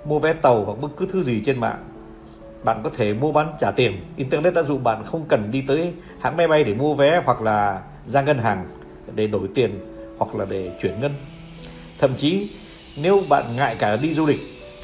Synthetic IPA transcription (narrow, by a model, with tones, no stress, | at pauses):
mu˧əvɛ˨˦t̪ə˨˩whwa˨˩k̚ɓk̚kɨ˨˦t̪ʰɨ˨˦zi˨˩t͡ɕe˧nma̰ː˧˨ŋ | ɓa̰ː˧˨nkɔ˨˦t̪ʰe˧˩mu˧əɓa˨˦nt͡ɕaː˧˩t̪i˨˩ənʔi˧nt̪ɛ˧ne˦˥t̚ɗa̰ː˧˥zṵ˧˨ɓa̰ː˧˨nxə˧wŋ͡mkə˨˩nɗi˧t̪əː˨˦j | ha̰ː˧˥ŋmɛ˧jɓa˧jɗe˧˩mu˧əvɛ˨˦hwa˨˩k̚laː˨˩ | zaː˧ŋə˧nɦaː˨˩ŋ | ɗe˧˩ɗo˧˩jt̪i˨˩ən | hwa˨˩k̚laː˨˩ɗe˧˩t͡ɕwi˧˩ənŋə˧n | t̪ʰə̰˧˨mt͡ɕi˨˦ | ne˨˦wɓa̰ː˧˨nŋa̰ː˧˨jkaː˧˩ɗi˧zu˧lï˨˩k̟̚